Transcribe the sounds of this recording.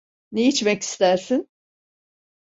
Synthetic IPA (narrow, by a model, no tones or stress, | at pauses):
neit͡ʃmɛci̥st̪æɾsin